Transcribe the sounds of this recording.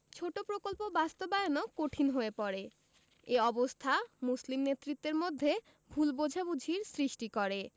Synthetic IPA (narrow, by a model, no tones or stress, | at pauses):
t͡ɕʰoʈopɾokolpobast̪obajonokoʈʰinɦoepɔɾe | eɔbost̪ʰamuslimnet̪ːɾit̪ːeɾmod̪ʱːe | bʱulbod͡ʑʱabud͡ʑʱiɾsɾiʃʈikɔɾe